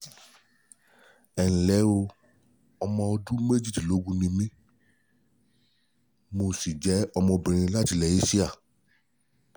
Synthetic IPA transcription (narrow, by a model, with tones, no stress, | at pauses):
ɛ˨ñ̩˨lɛ˨˦o˧ | ɔ˧mɔ̃˧o˧du˦me˦d͡ʒi˦˨di˨lo˨˦ɡũ˦nĩ˧mĩ˦ | mo˧˦si˨d͡ʒɛ˨˦ɔ˧mɔ̃˧bĩ˨ɾ̃ĩ˧la˦ti˧˨lɛ˨i˦si˦a˦˨